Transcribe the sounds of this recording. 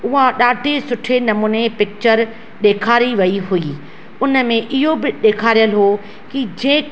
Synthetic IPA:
ʊɦaɗaːɖʱesʊʈʰenɐmuːnepɪk̚t͡ɕəɾ | ɗeːkʰaːɾiʋɐiɦuiː | ʊnə̆mẽʔɪɦobɪɗeːkʰaːɾijəlɦoː | kid͡ʑẽː

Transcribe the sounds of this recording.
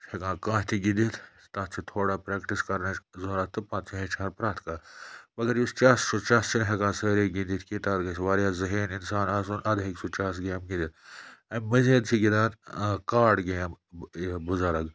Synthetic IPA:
hɐkãːkãːʃt̪ʰiɡid̪it̪ʰ | t̪aːt̪t͡ʃʰit̪ʰoːɽaːpɾeːkʈiskɐɾnɐt͡ʃzoːɾaːt̪ɨpːãːt̪̚t͡ʃʰiɦet͡ʃʰaːɾpɾaːt̪ʰkaːmɐɡɐɾjist͡ʃaːst͡ʃʰut͡ʃaːst͡ʃʰinɦɐkãːsɐːɾeːɡind̪it̪ʰkit̪aːd̪ɡɐsʰʋaːɾjaːzɐɦiːninsaːnaːs̬uːnʔɐd̪ɦeksut͡ʃaːs̬ɡeːmɡid̪it̪ɐmɐzeːd̪̚t͡ʃʰiɡid̪aːt̪kaːɖɡeːm | buzaɾɐɡ

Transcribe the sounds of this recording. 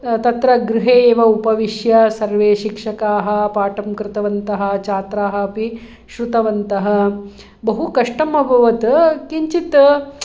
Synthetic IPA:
t̪ɐt̪ɾɐɡɾɪɦeːʋɐupɐʋiʃjɐsɐɾʋeːʃikʂɐkaːɦɐ̆paːʈɐmkɾɪt̪ɐʋɐnt̪ɐɦɐ̆t͡ʃaːt̪ɾaːɦɐɐpi | ʃɾut̪ɐʋɐnt̪ɐɦɐ̆ | bɐɦukɐʂʈɐmɐbʱɐʋɐt̪kiɲt͡ʃit̪

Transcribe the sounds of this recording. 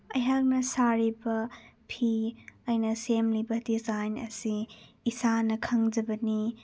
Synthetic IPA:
ɐjɦak̚nɐsaɾibɐpʰiɐjnɐsemlibɐdizajnɐ̰siː | sanɐkʰɐŋd͡ʒɐbɐni

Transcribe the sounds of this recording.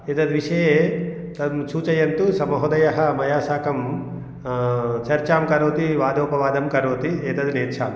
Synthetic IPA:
eːt̪ɐd̪ʋiʂɐjeː | t̪ɐmt͡ʃuːt͡ʃɐjɐnt̪usɐmɐɦod̪ɐjɐɦɐmɐjaːsaːkɐm | t͡ʃɐɾt͡ʃaːmkɐɾoːt̪iʋaːd̪oːpɐʋaːd̪ɐmkɐɾoːt̪ieːt̪ɐd̪neːt̪t͡ʃʰa̰ːm

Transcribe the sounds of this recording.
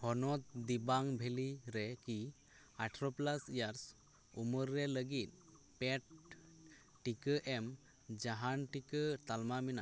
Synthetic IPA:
hɔnɔt̪̚d̪ibaŋbʱeliɾɛki | aʈʰɾɔplasijaɾs | uməɾːɛləɡit̪̚ | pɛʈ̚ː | ikəʔɛm | d͡ʒaɦanʈikət̪almamina

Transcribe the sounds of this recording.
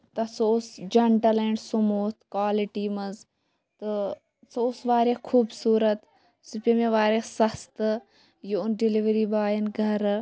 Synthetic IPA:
t̪ɐsoʊsd͡ʒɐɳʈɐleɳɖsumoːt̪ʰkaːliʈiːmɐz | t̪ɨ | soʊsʋaːɾjekʰuːbsuːɾɐt̪ | supʲemeʋaːɾesɐst̪ | juʊnɖiliʋɾibaːjinɡʱɐɾ

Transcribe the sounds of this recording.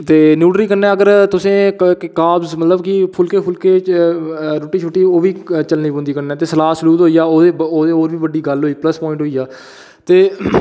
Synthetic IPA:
t̪eːnjuːɖɾiːkəɾnɛːəɡəɾt̪ʊsẽːkkaːbzmət̪ləbkɪpʰʊlkeːpʰʊlkeː | ɾoːʈiːt͡ʃʰoːʈːiːoːʋiːt͡ʃəlniːbõːnd̪iːkəɾnɛ̃ːt̪eːsəlaːsəluːt̪ɦoːiːaːoːeːoːd̪eɦoːɾʋiːʋəɖiːɡəlɦoːiːpləspɔːɪ̃ɳʈɦoːiːaː | t̪eː

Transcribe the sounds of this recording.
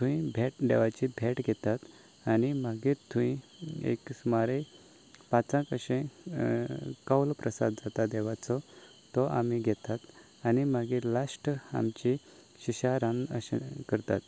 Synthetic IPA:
t̪ʰũĩbʱeʈd̪ɛʋat͡ɕibʱeʈɡʱɛt̪at̪ | animaɡit̪ʰũĩḛksmaɾe | pãt͡sãkəɕẽ | kawlpɾəsa̰d̪̚d͡zat̪ad̪eʋat͡sɔ | t̪ɔʔa̰m̤iɡʱɛt̪at̪ | animaɡelasʈa̰mt͡ɕi | ɕiɕaɾãnəɕekəɾt̪at̪

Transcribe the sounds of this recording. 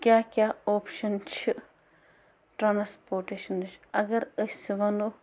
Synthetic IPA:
kʲjaːkʲjaːoːpʰʃɐnt͡ʃʰi | ʈɾaːnspoːɾʈeʃɐnɨt͡ʃʰɐɡɐɾəsiʋɐnu

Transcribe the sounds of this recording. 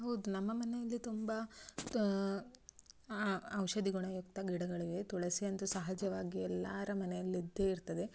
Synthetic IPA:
ɦɐwd̪unɐmːɐmɐnejɐlːit̪umbɐ | ɐwʃɐd̪iɡuɳɐjukt̪ɐɡiɽɐɡɐɭiʋet̪uɭɐsiɐnt̪usɐɦɐd͡ʒɐʋaːɡiɛlːaːɾɐmɐnejɐlːid̪ːeːiɾt̪ɐd̪e̞

